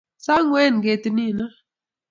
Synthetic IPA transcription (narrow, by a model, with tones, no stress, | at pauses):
sa˦ŋwɛ˦˨nɡe˨t̪i˨ni˦˨na˦